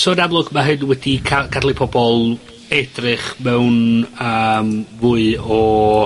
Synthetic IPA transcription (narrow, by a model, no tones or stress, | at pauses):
soːdamlˠʊɡmaɦɨnwɛdikʰaɡʰadlˠipʰɔbɔlˠ | ɛdrɨχmɛwnəːmvʊːɨɔ